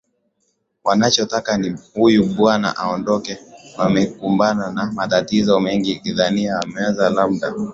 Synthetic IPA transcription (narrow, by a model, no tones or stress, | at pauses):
wanat͡ʃɔtakanihujuɓwana̰ʔaɔndɔkɛwamɛkumbananamatatizɔmɛŋɡikiðaniaːmɛɛzalamɗa